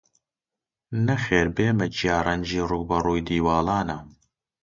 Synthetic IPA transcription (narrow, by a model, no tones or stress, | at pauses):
nɐxeːɾbeːmɛt͡ʃijaːrɐnd͡ʒiːruɡ̚bɐruːjd̪iːwaːlaːna